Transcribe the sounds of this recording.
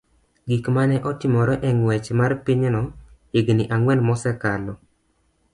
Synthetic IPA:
ɡikmanɛʔɔtɪmɔɾɔʔɛŋwɛt͡ʃmarpɪɲnɔ | ɪɡnɪʔaŋwɛlmɔsɛkalɔ

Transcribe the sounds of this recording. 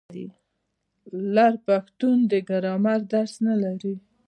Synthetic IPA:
dḭ | laɾpaxt̪und̪əɡaɾɑmaɾd̪aɾsnalaɾi

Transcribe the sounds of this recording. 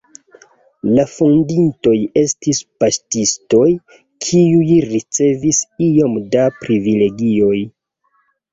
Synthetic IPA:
lafundinto̞je̞stispastisto̞j | kʰiujɾit͡se̞visio̞mdapɾivile̞ɡio̞j

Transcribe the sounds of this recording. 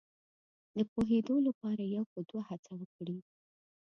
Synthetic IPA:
d̪əpoɦed̪olapɑɾajawxəd̪wahat͡sawəkɽi

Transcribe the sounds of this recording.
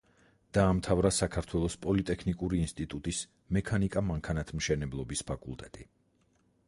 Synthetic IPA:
d̪̥aːmt̪ʰavɾasakʰaɾt̪ʰwɛlˠɔspʼɔlit̪ʼɛkʰnikʼuɾiːnst̪ʼit̪ʼut̪ʼis | mɛkʰanikʼamaŋkʰanat̪ʰmʃɛnɛblˠɔbispʰakʼṵlˠt̪ʼɛt̪ʼi

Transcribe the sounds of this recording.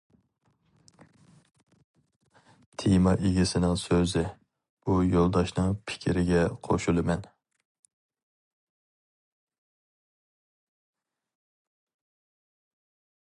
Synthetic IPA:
t̪ʰimɑʔeɡʲisɪnɪŋsøzɪ | ujolˠd̪ɑʃnɨŋpʰɪ̥kʲʰiɾɪɡʲɛqʰoʃulˠɪmɛn

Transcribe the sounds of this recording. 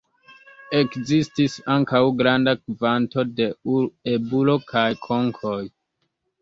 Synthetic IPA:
e̞kzistisaŋkawɡɾandakvanto̞de̞uebulo̞kʰajkʰo̞ŋkʰo̞j

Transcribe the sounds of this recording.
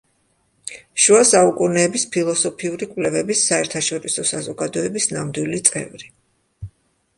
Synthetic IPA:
ʃuasaukʼunɛːbispʰilˠɔsɔpʰiuɾikʼwlɛvɛbisːaɛɾt̪ʰaʃɔɾisɔsazɔɡad̪ɔɛbisnamd̪wilit̪sʼɛ̰vɾi

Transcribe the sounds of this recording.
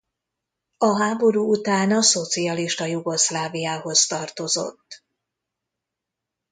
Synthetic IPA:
ɒɦaːbo̞ɾuːut̪aːnɒso̞t̪siɒliʃt̪ɒjuɡo̞slaːvijaːɦo̞zt̪ɒrt̪o̞zo̞̰t̪ː

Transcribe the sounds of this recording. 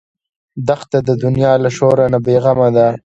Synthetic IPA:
d̪axt̪ad̪əd̪ʊnjɑlaʃoɾanabeɣamad̪a

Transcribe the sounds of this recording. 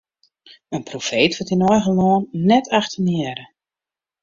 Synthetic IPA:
ənprofeːtʋɔtinɔjɣəlɔːnːɛtʰaxtʰənɪəɾə

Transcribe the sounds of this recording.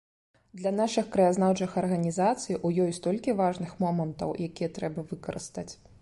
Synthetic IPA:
d̪lʲɐn̪aʂɨxkɾɐjaznawt͡ʂɨxɐrɣɐnʲizat̪sɨjʔujɔjst̪ɔlʲkʲivaʐnɨxmɔmɐnt̪ɐ̰wjakʲijɐt̪ɾɛbɐvɨkɐɾɨ̰st̪ɐt͡sʲ

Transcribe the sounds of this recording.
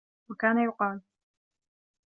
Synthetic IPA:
wakaːnajʊqɑːl

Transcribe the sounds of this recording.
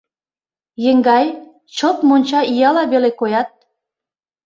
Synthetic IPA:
jə̆ŋɡɑj | t͡ɕot̪monʲt͡ɕɑijɑlɑβelekojɑt̪̚

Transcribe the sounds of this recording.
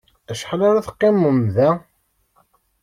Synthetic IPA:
æʃħlaɾaθə̥qːɪmːəmðæ

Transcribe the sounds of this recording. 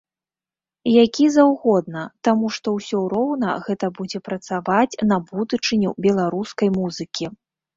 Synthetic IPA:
jakʲizawɣɔd̪̚nɐt̪amuʂt̪ɔwsʲɔɾɔwnɐ̰ɣɛt̪ɐbud͡zʲɛpɾɐt̪savat͡sʲnɐbud̪ut͡ʂɨnʲubʲɛlˠaɾuskɐjmuzɨkʲʰi

